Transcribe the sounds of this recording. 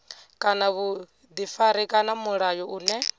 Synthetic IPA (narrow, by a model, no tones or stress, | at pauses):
kʼanaβu | d̪ifaɾikʼanamuɺajɔʔuːnɛ